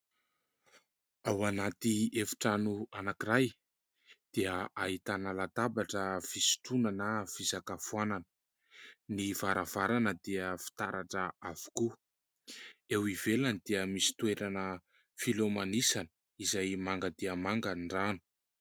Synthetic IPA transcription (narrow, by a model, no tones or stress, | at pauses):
awanat̪iefi̥ʈ͡ʂanuanakiɾaj | d̪̥eəʔaɦit̪analat̪abaʈ͡ʂəv̥isi̥ʈ͡ʂunanəv̥izakafuananə̥ | niv̥aɾav̥aɾanəd̪eəfi̥t̪aɾaʈ͡ʂəav̥u̥ku | ewivelanid̪̥eəmisi̥t̪ueɾanə | filomanisanə̥ | izajmaŋɡəd̪eəmaŋɡaɳɖ͡ʐanu̥